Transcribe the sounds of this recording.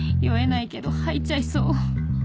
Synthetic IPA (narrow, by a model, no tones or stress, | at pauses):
iaenaike̞d̪o̞hait͡ɕaisoː